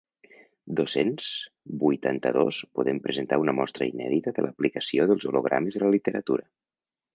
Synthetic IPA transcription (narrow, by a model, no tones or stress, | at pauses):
d̪osenz | bujt̪ant̪əðospoðempɾəzənt̪aunəmɔst̪ɾəinɛ̰ðit̪əðəlʔəplikəsioðəlˠzoloɣ̞ɾʔa̰məzðələlit̪əɾət̪uɾə